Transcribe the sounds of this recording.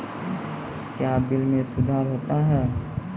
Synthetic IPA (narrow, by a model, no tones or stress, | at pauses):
kjaːbɪlmẽsʊd̪ʱaːɾɦoːt̪aɦɛː